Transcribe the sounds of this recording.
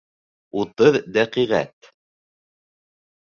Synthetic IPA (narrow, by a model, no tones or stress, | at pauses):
ut̪ɤðd̪æqiʁæ̰t̪